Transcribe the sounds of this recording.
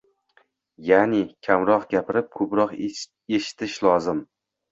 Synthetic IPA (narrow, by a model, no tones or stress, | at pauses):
janɪkʲʰamɾɒqɡʲapɪɾɪp̚kʰɵpɾɒq | e̞ʃɪ̥t̪ʰɪʃlˠɒzɪm